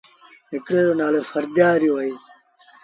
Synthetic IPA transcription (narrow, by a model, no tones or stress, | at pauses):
ɪkɽeːɾonaːlefɐɾd̪aːɾjoɐi